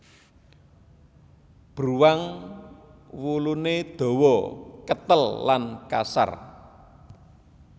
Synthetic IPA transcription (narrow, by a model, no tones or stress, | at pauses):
b̥ɾuwaŋ | wuluned̪̥ɔ̤wɔkət̪əlːanka̰sa̰r